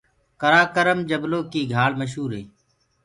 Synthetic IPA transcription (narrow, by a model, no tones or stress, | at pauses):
kəɾaːkəɾəmd͡ʒəbloːkiːɡʱaːɭməʃ̬ɦuːɾɦeː